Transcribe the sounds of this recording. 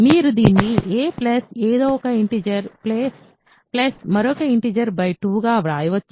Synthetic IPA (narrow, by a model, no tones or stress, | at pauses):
miːɾud̪iːnːiʔeːplɐseːd̪oːɔkɐiɳʈiːd͡ʒɐɾpleːs | plɐsmɐɾɔːkɐiɳʈiːd͡ʒɐɾbɐjʈuːɡaːʋɾaːjiʋɐt͡ʃː